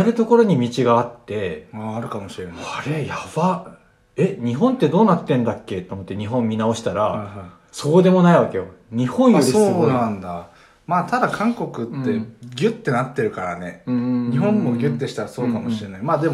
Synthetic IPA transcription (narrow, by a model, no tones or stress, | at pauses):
aɾɯ̟t̪o̞ko̞ɾo̞ɲ̟imʲit͡ɕiɡaːt̪ːe̞aːɾɯ̟kamoɕiɾenaaɾe̞jaβa | e̞ɲ̟iɦõ̞nt̪ːe̞d̪o̞ːnat̪ːẽ̞nd̪akːe̞t̪omo̞t̪ːe̞ɲ̟iɦõ̞mːʲinao̞ɕi̥t̪aɾaaa | so̞kod̪e̞mo̞naiβake̞jo̞ɲ̟ihõ̞ɰ̃jod̪eonãnd̪a | maːt̪ʰad̪akʰãŋko̞kɯ̟t̪ːe̞ɡʲɨt̪ːe̞nat̪ːe̞ɾɯ̟kaɾane̞ɲ̟iɦõ̞mːoɡʲɯ̟t̪ːe̞ɕi̥t̪aɾaso̞ːkamoɕiɾenaimaːd̪e̞mo